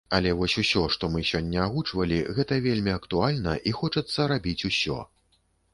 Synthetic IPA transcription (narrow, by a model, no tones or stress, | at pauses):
ɐlʲɛvɔsʲusʲɔʂt̪ɔmɨsʲɔnʲːɐaɣut͡ʂvɐlʲiɣɛt̪ɐvʲelʲmʲiɐkt̪ualʲnɐʔixɔt͡ʂɐt̪sːɐɾabʲit͡sʲusʲɔ̰